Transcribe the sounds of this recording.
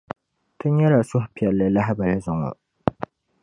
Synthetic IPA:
tɨ˦ɲɛ˦ɾa˨sʊ˦hpi˨ɛ˨lːɨ˨la˦ha˦ba˨la˦zʊ˨ŋɔ̰˨

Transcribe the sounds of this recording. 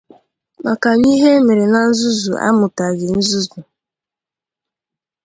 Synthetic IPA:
ma˨ka˨ɲi˦ɦe˦me˨ɾe˨na˨n̩˦zu˦zu˨ʔa̰˦mʊ˨ta˨ɡɪ˨n̩˦zu˦zu˨

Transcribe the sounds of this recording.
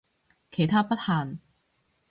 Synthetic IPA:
kʰe˨˩jt̪ʰaː˥pɐ˥t̚haː˨n

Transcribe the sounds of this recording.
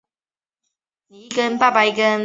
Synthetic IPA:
ni˨˦kə˦npa˥˨pa˧ɪikə˦n

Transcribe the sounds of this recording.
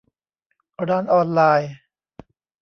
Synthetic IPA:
ɾaː˧˩nʔɔː˧nlaː˧j

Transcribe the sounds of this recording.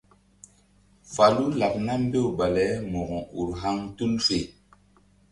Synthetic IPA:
fa˨lu˦la˨k̚na˦m˦be˦˨ba˨lɛ˦mɔ˨ɡɔ̃˨u˨ɾɦa˦ŋtu˦nfe˨

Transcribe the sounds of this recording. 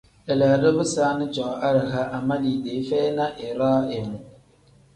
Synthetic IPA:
ɛ˨la˨dɨ˦bɨ˦saː˦nɨ˦t͡ʃɔ˨ʔa˦ɾɦa˦ʔa˨ma˦li˨de˨˦fɛː˦na˦ʔɪ˨ɾaː˦ɪ˨mʊ˨

